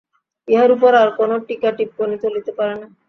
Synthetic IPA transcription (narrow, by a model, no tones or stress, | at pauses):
jaɾupəɾaɾkonoʈikaʈip̚konit̪ʰolit̪epaɾana